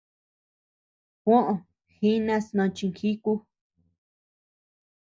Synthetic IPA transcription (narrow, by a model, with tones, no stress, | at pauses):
kʷõ˦ʔõ˨ | xi˦nã˦snõ˧t͡ʃi˧ŋxi˦ku˦